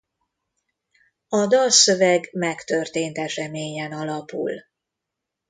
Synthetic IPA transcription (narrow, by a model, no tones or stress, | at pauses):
ɒd̪ɒlsøvɛɡmɛkt̪ø̞rt̪eːnt̪ɛʃɛmeːɲɛnɒlɒpṵl